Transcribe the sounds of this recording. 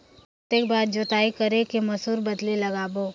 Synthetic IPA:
t̪eːkbaːɾd͡ʒoːt̪aːikɐɾekemɐsuːɾbɐd̪lilɐɡaːboː

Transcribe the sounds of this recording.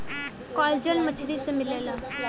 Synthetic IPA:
kɔːld͡ʒənmət͡ʃʰɾisemɪleːlaː

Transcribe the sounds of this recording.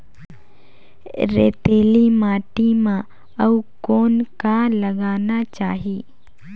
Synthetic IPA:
ɾḛːt̪eːlimaːʈimã | ɐukoːnkaləɡaːnat͡ʃaːɦiː

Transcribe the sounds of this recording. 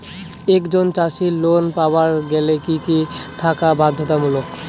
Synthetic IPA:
ekd͡ʑont͡ɕaʃilonpawaɾɡɛlekikit̪ʰakabad̪ʱːot̪amulok

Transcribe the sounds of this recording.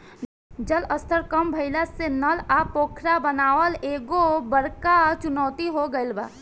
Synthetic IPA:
d͡ʒələst̪ʰəɾkəmbʱəɪlasenəlaːpoːkʰɾabənaːʋəleːɡobəɾkat͡ʃʊnɔːt̪iɦoɡəɪlba̰ː

